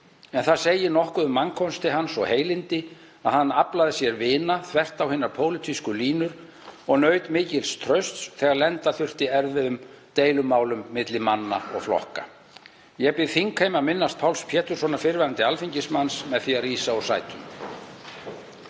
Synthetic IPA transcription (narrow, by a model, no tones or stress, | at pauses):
ɛnθaðseːjɪnɔhkʏðʏmːaŋkʰɔnst̪ɪɦansɔɣheːjlɪnt̪ɪ | aðhanːaplaðɪsjɛɾvɪːnaθvɛr̥t̪awhɪːnaɾpʰoːwlɪt̪ʰiskʏliːnʏɾ̥ | ɔɣnœːɥt̪mɪːcɪlst̪ʰɾœɥst̪sθɛːɣaɾlɛnt̪aθʏr̥t̪ɪɛɾðvɪðʏmt̪eːjlʏmːaːwlʏmːɪt̪lɪmanːa̰ɔ̰ɣflɔ̰hka | jɛɣpɪðθiŋkhejmaðmɪnːast̪̚pʰawlspʰjɛːt̪ʏɾ̥sɔnaɾfɪɾvaɾant̪ɪalfiɲcɪsmansmɛðθiariːsaɔsa̰ːjt̪ʰʏm